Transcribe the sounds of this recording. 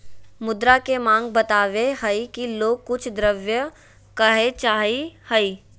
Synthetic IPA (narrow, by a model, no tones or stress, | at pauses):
mʊd̪ɾakemãːŋɡ̚bət̪aːʋeɦəikiloːk̚ːʊt͡ʃʰd̪ɾəʋjə | kəɦet͡ʃaːɦihəiː